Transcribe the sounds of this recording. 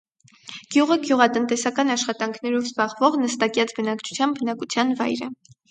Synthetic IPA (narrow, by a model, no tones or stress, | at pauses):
ɡ̥juʁəɡjuʁɑt̪ənt̪ɛsɑkɑnɑʃχɑt̪ɑŋkʰnɛɾɔvzbɑʁvɔʁnəst̪ɑkjɑt͡sʰbənɑkt͡ʃʰu̥t͡sʰjɑmbbənɑkut͡sʰjɑnvɑ̰jɾə